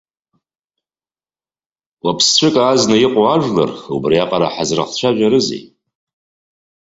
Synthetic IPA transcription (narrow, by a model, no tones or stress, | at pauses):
wapʰst͡ɕʷʰɨkʼaːznajɪqʷʼoaʒʷla̰rubrijaqʼaɾaħazra̰χt͡ɕʷʰaʒʷᶣaɾɨzḛj